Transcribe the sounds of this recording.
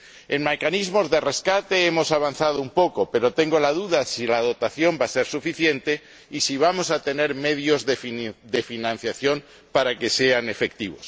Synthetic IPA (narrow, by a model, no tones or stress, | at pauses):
e̞nme̞kanizmo̞zðe̞re̞skat̪e̞emo̞saβ̞anθað̞oumpo̞kope̞ɾo̞t̪e̞ŋɡo̞laðuðasilað̞o̞t̪aθjo̞mbase̞ɾsufiθje̞nt̪e̞ | isiβ̞amo̞sat̪e̞ne̞ɾme̞ðjo̞zðed̪e̞finãn̟θjaθjom | paɾake̞se̞ane̞fe̞k̚t̪iβ̞o̞̰s